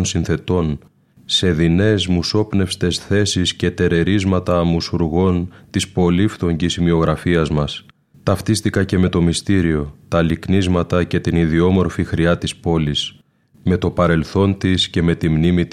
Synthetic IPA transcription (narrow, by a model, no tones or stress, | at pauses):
nsinθe̞t̪o̞n | se̞ðine̞zmuso̞pne̞fst̪e̞sθe̞sisce̞t̪e̞ɾe̞ɾizmɐt̪ɐmusuɾɣo̞nt̪ispo̞lift̪o̞ɲɟisimio̞ɣɾɐfiɐzmɐs | t̪ɐft̪ist̪ikɐce̞me̞t̪o̞mist̪iɾio̞t̪ɐliknizmɐt̪ɐce̞t̪iniðio̞mo̞ɾfixɾiɐt̪ispo̞lis | me̞t̪o̞pɐɾe̞lθo̞nt̪isce̞me̞t̪imnimit̪